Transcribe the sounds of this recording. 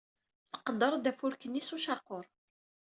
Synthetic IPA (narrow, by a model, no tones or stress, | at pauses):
θə̥qəd̪ːəɾˤd̪æfʊɾkənːisuʃɑɾqoɾˤ